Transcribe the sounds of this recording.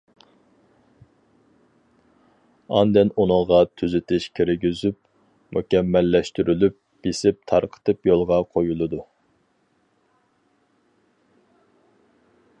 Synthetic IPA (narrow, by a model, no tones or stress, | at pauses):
ɑnd̪ɛnunɨŋʁɑt̪ʰyzɪt̪ʰɪʃkʲʰiɾɡʲyzyp | mukʲɛmːɛlːɛʃt̪yɾʔylyp̚ | b̥esɪp̚t̪ʰɑɾqʰə̥t̪ɨpjolˠʁɑqʰojulˠɨd̪u